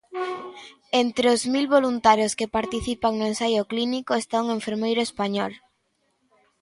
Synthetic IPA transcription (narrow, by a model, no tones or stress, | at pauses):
ent̪ɾeozmilβolunt̪aɾjoskepaɾt̪iθipaŋnʊensajʊklinikoest̪auŋeɱfeɾmejɾʊespaɲɔl